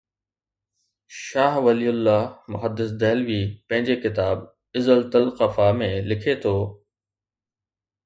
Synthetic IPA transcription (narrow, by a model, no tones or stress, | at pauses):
ʃaːɦʋɐliːʊlːaːmʊɦəd̪ːɪs̬d̪ɛːlʋiːpɐ̃ɦɪ̃ɲd͡ʑekɪt̪aːb | ɪzəlt̪ɐlqəfamẽlɪkʰet̪ʰoː